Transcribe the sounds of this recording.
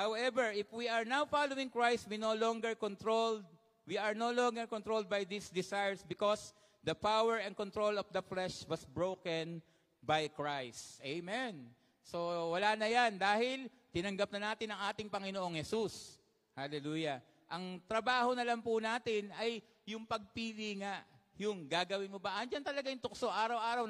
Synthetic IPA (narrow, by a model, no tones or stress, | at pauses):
hawʔɛvɛɹʔɪfwiɐɹnawfalowɪŋkɹajst̪̚winolɔŋɡɛɹkɔnt̪ɹold̪̚ | wiɐɹnolɔŋɡɛɹkɔnt̪ɹold̪̚bajd̪isd̪ɪsajɹsbɪkos | d̪ɐpawɛɹɛɐ̃nkɔnt̪ɹolɔfd̪ɐflɛʃwɐsbɹokɛn | bajkɹajst̪ʔejmɛn | so̞wɐlaːnɐjand̪aːhɪl | t̪ɪnɐŋɡɐp̚nɐnaːt̪ɪnɐŋʔaːt̪ɪŋpɐŋɪnoʔo̞ŋhɛsus | halɛluːjɐ | ʔɐŋt̪ɾɐbaːho̞nɐlampʊnaːt̪ɪnɐj | jʊŋpɐɡ̚piliŋaʔjʊŋɡaːɡɐwɪnmobaʔɐnd͡ʒant̪ɐlɐɡajʊŋt̪ʊksoʔaːɾɐwʔaːɾɐw